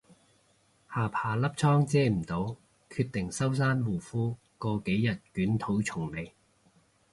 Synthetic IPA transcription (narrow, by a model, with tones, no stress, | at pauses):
haː˨pʰaː˨˩lɐ˥p̚t͡sʰɔː˥ŋt͡sɛː˥m̩˨˩t̪o˨˥w | kʰyː˧t̚t̪ɪ˨˩ŋsɐ˥wsaː˥nwuː˨˩fuː˥ | kɔː˧ke˨˥jːɐ˨t̚kyː˨˥nt̪ʰo˨˥wt͡sʰʊ˨˩ŋme˨˧j